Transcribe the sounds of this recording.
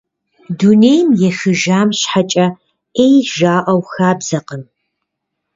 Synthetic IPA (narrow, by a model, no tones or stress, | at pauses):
duneːjmjɛxɨʒaːmɕħat͡ʃʼɐ | ejʒaːʔɐwxaːbz̥ɐqəm